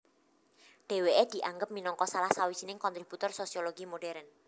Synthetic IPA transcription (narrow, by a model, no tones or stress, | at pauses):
ɖ̥e̤weed̪̥i̤ʔaŋɡəp̚minɔŋkɔsalahsawi̥d͡ʒ̥inɪŋkɔnt̪ɾib̥ut̪ʊrsosioloɡ̥imoɖ̥ɛɾən